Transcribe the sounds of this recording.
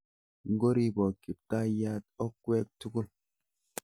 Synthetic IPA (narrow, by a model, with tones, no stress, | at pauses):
ŋ˦ɡo˦ɾi˦bɔ˨ki˨p̚ta˦ja˦t̚ɔ˦kːwe˦k̚tu˦ku˦l